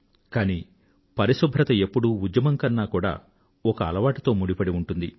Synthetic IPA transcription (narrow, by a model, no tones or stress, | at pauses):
kaːniː | pɐɾisubʱɾɐt̪ɐe̞pːuɽuud̪jɐmɐŋkɐnːaːkuːɽa̰ː | ɔkɐ̰ːlɐʋaːʈit̪o̞ːmuɽipɐɽiuɳʈund̪i